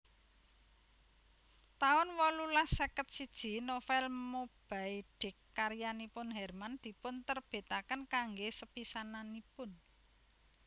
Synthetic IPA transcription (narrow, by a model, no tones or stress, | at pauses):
t̪aʊnwɔlulahsəkət̪̚sid̥ʒ̥i̤nofɛlmob̥aiɖ̥ɪ̤kːaɾjanipʊnɦɛrmand̪̥i̤pʊnt̪ərb̥e̤t̪akənkaŋɡesəpisananipʊn